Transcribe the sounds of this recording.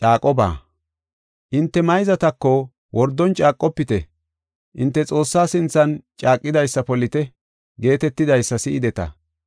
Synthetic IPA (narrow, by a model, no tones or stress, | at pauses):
t͡ʃʼaːkʼɔba̰ː | ʔɪnt̪ːɛmɐjzɐt̪ɐkːɔ | wʔɔɾd̪ːɔnt͡ʃʼaːkʼːɔpːɪt̪ɛ | ʔɪnt̪ːɛt͡sʼo̞ːsːaːsɪnt͡sɐnt͡ʃʼaːkʼːɪd̪ɐjsːɐpɔlɪt̪ɛ | ɡe̞ːt̪ɛt̪ːɪd̪ɐjsːɐsɪʔɪd̪ɛt̪ɐ̰